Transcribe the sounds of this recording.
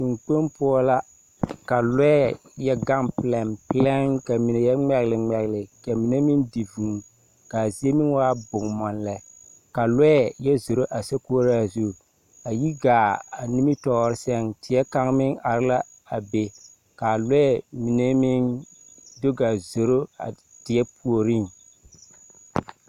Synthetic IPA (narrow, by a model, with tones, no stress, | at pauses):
ti˨ŋk͡po˦mpʊ˦ɔ˦la˦ | ka˨lɔ˦ɛ˦jɛ˦ɡa˦ŋpɪ˨lɛ˨mplɛ˦ŋka˨mi˨ne˨jɛ˦ŋ͡mɛ˨ɣlɪ˨ŋ͡mɛ˨ɣlɪ˨ka˨mi˨ne˦mɪ˦ndi˨vu˨ŋ˨ | ka˨zi˦e˦mɪ˦ŋ˦waː˦bʊ˨ŋmɔ˨nlɛ˨˦ | ka˨lɔ˦ɛ˦˨jɛ˦zo˨ɾo˦ʔa˨sɛ˦ku˦ɾa˦˨zu˦˨ | a˨ji˦ɡaː˨a˨ni˦mi˦tɔː˦ɾɪ˦sɛ˦ŋtɪ˨jɛ˦ka˦ŋmɪ˦ŋa˨ɾɪ˦la˦ | a˨be˨ | ka˨lʊ˦ɛ˨mi˨ne˦mɪ˦n | do˦ɡa˨zo˨ɾo˦a̰˨ | d̥ɪ˨jɛ˦pu˨o˨ɾi˦˨ŋ